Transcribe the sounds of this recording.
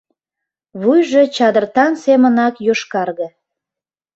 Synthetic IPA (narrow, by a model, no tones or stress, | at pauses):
βujʒe̽t͡ɕɑd̪ərt̪ɑnsemənɑkjoʃkɑrɣə